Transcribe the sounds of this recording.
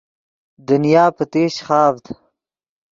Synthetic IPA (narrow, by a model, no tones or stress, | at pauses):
d̪ʊnjɑːpət̪eːʃχɑːbd̪